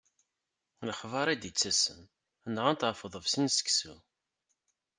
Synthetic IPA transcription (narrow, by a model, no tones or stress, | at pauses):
ləħvɑɾˤid̪jət͡sːæsən | ənʁant̪ʕfəðˤəvsinsə̥ksu